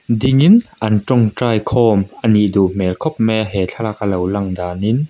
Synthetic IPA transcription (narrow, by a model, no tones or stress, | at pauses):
d̪ɪŋinʔɐnʈ͡ʂɔŋʈ͡ʂaːjkʰɔːmʔəniʔd̪uʔm̥ɛlkʰɔp̚mɛɦɛt͡ɬʰalak̚əlɐwlɐŋd̪aːnin